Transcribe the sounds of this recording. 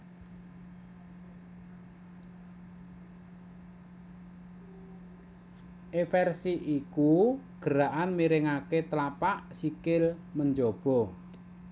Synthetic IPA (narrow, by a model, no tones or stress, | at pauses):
ʔefɛrsiʔikuɡ̥əɾaʔanmiɾɪŋaket̪əlapaʔsikɪlməɲd͡ʒob̥ɔ̤